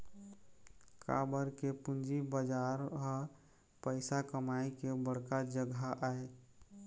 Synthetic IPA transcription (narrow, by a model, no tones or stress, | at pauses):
kʰa̰ːbəɾkepʊnd͡ʒibəd͡ʒaɾɦə | pəɪsakəmaikebəɽ̤kad͡ʒəɡaʔae